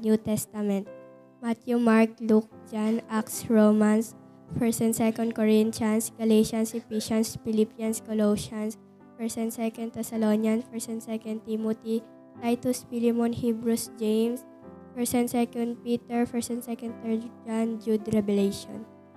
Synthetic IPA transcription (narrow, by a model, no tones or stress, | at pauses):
njut̪ɛst̪ɐmɛ̃nt̪̚ | mat̪jumaɹk̚luk̚d͡ʒanʔaksɹomans | fɛɹsɛ̃nd̪sɛkɔnd̪̚kɔɹɪnt̪ansɡ̥ɐleʃansɪpiʃɐnspɪlipjɐnskɔloʃɐns | fɛɹsɛnsɛkɔnd̪̚t̪ɛsɐlonjɐnfɛsɛ̃nsɛkɔnd̪̚t̪imɔt̪i | t̪ajt̪ʊspilɛmɔnhibɹusd͡ʒejms | fɛɹsɛ̃nd̪sɛkɔ̃nd̪̚piːt̪ɛɹfɛɹsɛnsɛkɔ̃nd̪t̪ɛɹd͡ʒand͡ʒud̪ɾɛbɛlejʃɔ̰n